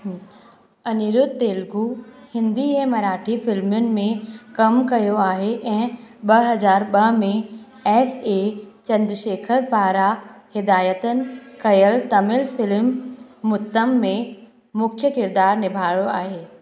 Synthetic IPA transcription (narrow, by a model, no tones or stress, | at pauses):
ɐniɾʊd̪̚t̪eːlɡuhɪ̃nd̪iɛ̃ːmɐɾaːʈʰifɪlmjʊnɪ̆mẽkɐmkɐjoaːɦeʔɛ̃ːɓɐɦɐzaːɾɓɐɦmẽ | ɛːset͡ɕɐ̃nd̪ɾəʃeːkʰəɾpaːɾahɪd̪aːjət̪ənɪ̆kɐjəlt̪ɐmɪlfɪlmːʊt̪ːəmːẽ | mʊkʰjəkɪɾd̪aːɾnɪbʱaːɽoaːɦeː